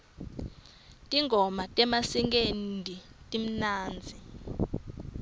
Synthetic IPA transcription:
tʼiŋʱɔmatʼɛmasiŋk̬ʼendʱitʼim̩naːnd͡zʱi

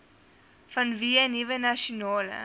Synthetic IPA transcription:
fɐnviːənivənɐʃonɑːlə̰

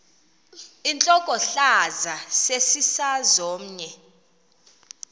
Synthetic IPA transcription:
int͡ɬʼɔkʼɔɬazasesisazoːm̩ɲɛ

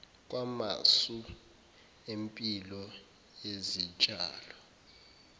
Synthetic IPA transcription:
k̬ʼwama̰su | empʼilɔ | jezit͡ʃʼa̰ːlɔ

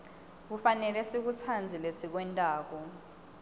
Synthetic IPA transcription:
k̬ufanɛlɛsik̬ut͡sʰand͡zʱilesik̬wɛntʼaːk̬ɔ

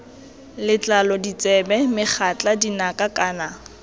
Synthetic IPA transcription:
lɪt͡ɬʼalɔdit͡sʼɛbɛmɪχʰat͡ɬʼadinakʼakʼaːna

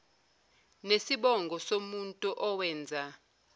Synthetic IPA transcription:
nesiɓɔŋɡʱɔsomuntʼuʔɔwɛːnd͡zʱa

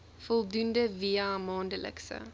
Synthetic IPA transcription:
fɔlˠdundəviamɑːndələ̰ksə̰

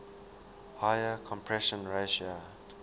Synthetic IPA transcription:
hajəkʰɔ̃mpʰɹɛʃə̃nɹeʃia

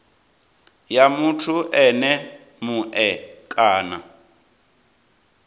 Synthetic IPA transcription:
jamutʰuʔɛnɛ | muʔɛkʼaːna

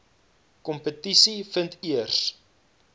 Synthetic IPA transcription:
kɔmpətisifəntiərs

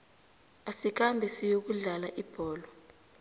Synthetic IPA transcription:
asik̬ambʱɛsijok̬uɮalaʔib̥ʱɔːlɔ

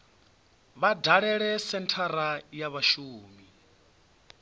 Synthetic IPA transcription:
βadʱaɺɛɺɛsɛntʰaɾajaβaʃuːmi

